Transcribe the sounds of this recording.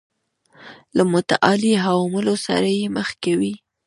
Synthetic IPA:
lamʊt̪aʔɑliɦawmʊlosa̰ɾajeməxkawi

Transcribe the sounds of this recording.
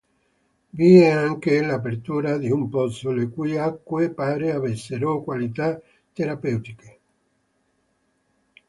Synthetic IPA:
viːeaŋkelap̬eɾt̪uːɾad̪iumpɔsolekujakːwepaːɾeaβeseɾokwalit̪a | t̪ːeɾapɛwt̪ike

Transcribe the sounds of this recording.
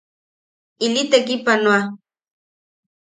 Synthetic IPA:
ilit̪ek̬ipanwa

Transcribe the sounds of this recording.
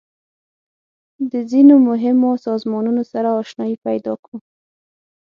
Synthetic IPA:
d̪əzinomʊɦɪmosɑzmɑnunosaɾaːʃnɑjipajd̪ɑkɽu

